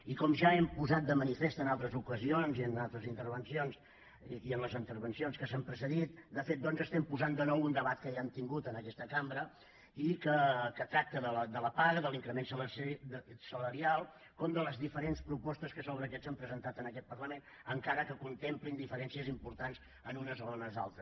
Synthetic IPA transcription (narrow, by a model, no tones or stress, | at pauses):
ikɔmʒaɛmpuzat̪̚d̪əmənifest̪ənalˠt̪ɾəzukəzionziənalˠt̪ɾəzint̪əɾβənsions | iənləzint̪əɾβənsionskəsampɾəsəðit̪̚d̪əfet̪̚d̪ɔnzəst̪ɛmpuzand̪ənɔwund̪əβat̪̚kəeənt̪iŋɡut̪ənəkɛst̪əkambɾə | ikəkət̪ɾak̚t̪əðələd̪ələpaɣəðəliŋkɾəmensələ | sələɾialˠ | kɔmd̪ələzðifəɾenspɾupɔst̪əskəsoβɾəkɛsampɾəzənt̪at̪ənəkɛt̪̚pərləmen | əŋkaɾəkəkunt̪emplind̪ifəɾɛnsiəzimpuɾt̪anz̥ | ənunəzoənəza̰lˠt̪ɾəs